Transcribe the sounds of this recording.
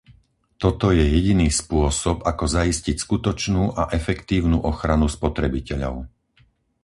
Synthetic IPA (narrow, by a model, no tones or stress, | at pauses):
t̪ɔt̪ɔjɛjɛɟiniːspʊɔsɔpakɔzaiscicskut̪ɔt͡ʃnuːʔaʔɛfɛkt̪iːʊnuːʔɔxɾanuspɔt̪ɾɛbicɛʎɔ̰ʊ